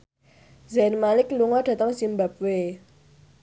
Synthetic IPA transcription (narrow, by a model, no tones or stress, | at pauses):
zɛnmalɪkluŋɔɖ̥ä̤t̪əŋsimbap̚we